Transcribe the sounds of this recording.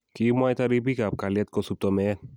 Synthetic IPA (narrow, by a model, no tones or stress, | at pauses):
kimajt̪aɾibikap̚kaliat̪̚kɔsup̚t̪ɔmɛn